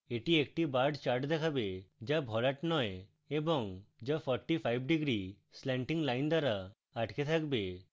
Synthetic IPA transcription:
eʈiek̚ʈibaɾɖt͡ʃaɾʈd̪ɛkʰabed͡ʒabʱɔlaʈnɔj | ebɔŋd͡ʒapʰɔɾʈipʰajbʱɖiɡɾi | sleɳʈiŋlajnd̪aɾaː | ʈket̪ʰakbe

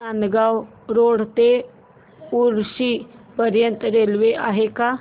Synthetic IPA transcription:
aːnɡaːw | ɾoːɽ̤t̪e | uɾsipəɾjə̃nt̪ɾelweʔaːɦeka

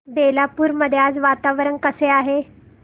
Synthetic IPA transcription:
belapuːɾməd̪ʱjad͡zʋat̪aʋɾənkəseaɦe

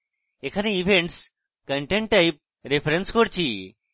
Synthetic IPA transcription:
ekʰanĩiʋʱeɳʈs | kəɳʈeɳʈ̚ʈːaɪp̚ | ɾepʰɾenskoɾt͡ɕʰiː

